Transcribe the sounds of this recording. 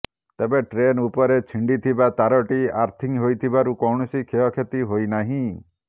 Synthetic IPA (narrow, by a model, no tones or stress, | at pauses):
t̪ebeʈɾenupɔɾet͡ʃʰiɳɖit̪ʰibat̪aɾɔʈiaɾt̪ʰiŋɦojt̪ʰibaɾukɔwɳɔsikʰeɔkʰet̪iɦojnaɦĩ